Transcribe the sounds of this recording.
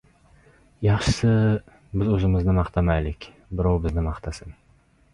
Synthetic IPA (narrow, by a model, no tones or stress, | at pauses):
jɑχʃɪ̥sɪ | bɪzɵzɪmɪznɪmɑχt̪ʰamalɪkʲ | bɪɾɑwbɪznɪmɑχt̪ʰasɪn